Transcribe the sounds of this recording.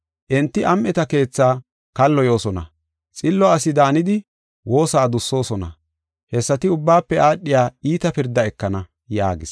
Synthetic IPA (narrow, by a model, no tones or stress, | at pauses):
ʔɛnt̪ːɪʔɐmʔɛt̪ɐke̞ːt͡sːaː | kɐlːɔjo̞ːsɔnɐ̰ | t͡sʼɪlːɔɐsɪd̪aːnɪd̪ɪ | wo̞ːsaːd̪ʊsːo̞ːsɔnɐ̰ | hɛsːɐt̪ɪʊbːaːpːɛaːɗːɪjaːiːt̪ɐpɪɾd̪ːɐɛkːɐnɐ | ja̰ːɡɪs